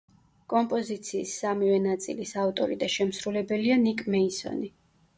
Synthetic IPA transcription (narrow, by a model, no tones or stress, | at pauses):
kʼɔmpʼɔzit̪sʰiːsːamivɛnat̪sʼḭlisavt̪ʼɔɾid̪aʃɛmsɾulɛbɛlianikʼmɛisɔ̰ni